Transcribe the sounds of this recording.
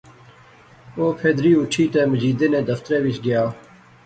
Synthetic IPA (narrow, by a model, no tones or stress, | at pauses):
oːpʰeːd̪ɾiːʊʈʰiːt̪eːməd͡ʒiːd̪eːnẽːd̪əft̪ɾeːʋɪt͡ʃɡɪjaː